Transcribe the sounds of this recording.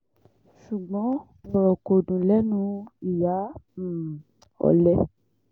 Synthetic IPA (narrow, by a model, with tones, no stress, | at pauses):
ʃu˨ɡ͡bɔ̃˨˦ | ɔ˨ɾɔ˨ko˨dũ˨lɛ˦nũ˦i˨ja˨˦m̩˨ | ɔ̰˨lɛ˦